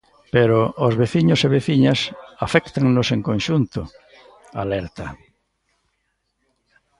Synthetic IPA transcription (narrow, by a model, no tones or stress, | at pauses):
peɾoːzβeθiɲʊseβeθiɲɐsafɛkt̪aŋnoseŋkõnʃunt̪ʊ | a̰lɛɾt̪a